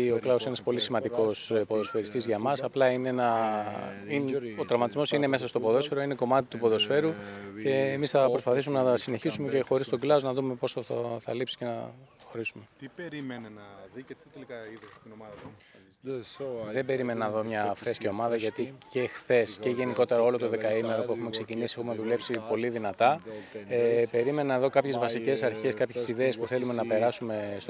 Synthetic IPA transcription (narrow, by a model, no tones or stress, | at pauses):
o̞klɐosinɐspo̞lisimɐnd̪iko̞spo̞ðo̞sfe̞ɾist̪izʝɐmɐsɐplɐinenɐ | ino̞t̪ɾɐvmɐt̪izmo̞sine̞me̞sɐst̪o̞po̞ðo̞sfe̞ɾo̞ine̞ko̞mɐt̪it̪upo̞ðo̞sfe̞ɾuce̞ːmisθɐpɾospɐθisume̞nɐsine̞çisume̞ce̞xo̞ɾist̪o̞ɡlɐznɐðume̞po̞soθɐθɐlipsi̥ce̞nɐxo̞ɾisume̞t̪ipeɾimenenɐðiet̪it̪elikɐiðt̪inoɐðɐ | ðe̞be̞ɾime̞nɐeðo̞mɲɐːfɾesce̞o̞mɐðɐʝɐt̪icexθe̞sceʝe̞niko̞t̪e̞ɾɐo̞lo̞t̪o̞ðe̞kɐime̞ɾo̞puexume̞kse̞cinisiexume̞ðule̞psipo̞liðinɐt̪ɐepe̞ɾime̞nɐeðo̞kɐpçe̞zvɐsice̞sɐɾçe̞skɐpçe̞siðe̞ːspuθe̞lume̞nɐpe̞ɾɐsume̞s